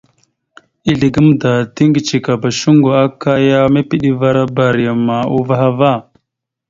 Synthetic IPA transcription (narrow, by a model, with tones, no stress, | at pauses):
i˦ɮi˨ɡə˦m˦da˨ti˦ŋɡi˨t͡ʃi˨ka˨ba˨ʃu˦ŋɡo˨a˦ka˦ja˦me˦pi˦ɗi˦va˦ɾa˦ba˨ɾi˨a˨ma˨u˦va˦ɦa˦va˦˨